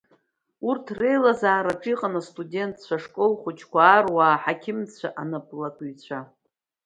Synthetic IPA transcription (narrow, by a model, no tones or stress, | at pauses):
urtʰre̞jlazaːɾaʈ͡ʂʼiqʼanastʼudʲe̞ntʰt͡ɕʷʰaʂkʼolχʷʊt͡ʃʰkʷaːrwaːħakʲʰɪmt͡sʷʰaʔanɨpʼlakʷʼɥt͡ɕʷʰa